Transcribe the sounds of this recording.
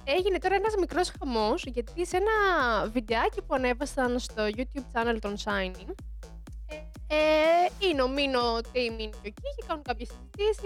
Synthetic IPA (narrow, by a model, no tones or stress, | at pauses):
e̞ʝinet̪o̞ɾɐenɐzmikɾo̞sxɐmo̞sʝɐt̪ise̞nɐvid̪e̞ɐcipuɐne̞vɐsɐnst̪o̞ʝut̪çub̚t͡sɐnelt̪onsɐjniŋ | eineo̞minot̪eiminocociçekɐnunkɐpçesizit̪isi